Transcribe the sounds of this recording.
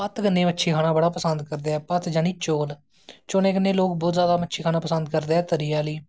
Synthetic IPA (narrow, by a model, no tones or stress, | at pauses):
pət̪kənːẽːmətːʃʰiːkʰaːɽnaːbəɽaːpəsənd̪kəɾd̪eːɛːpət̪d͡ʒaːniːt͡ʃoːl | t͡ʃoːnẽːkənːeːloːk̚bɔːt̪zaːd̪aːmətːʃʰiːkʰaːnaːpəsənd̪̚kəɾd̪eːɛːt̪əɾijaːliː